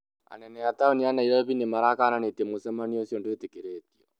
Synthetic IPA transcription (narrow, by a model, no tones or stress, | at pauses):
a̰nɛnɛataonianaiɾaβinemaɾakananetɛmosɛmaniɔsjɔndoetekeɾɛtiɔ